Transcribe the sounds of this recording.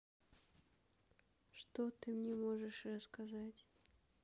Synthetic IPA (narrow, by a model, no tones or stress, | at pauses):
ʂt̪ot̪ɨmnʲɛmoʐɨʂrəskɐzatʲ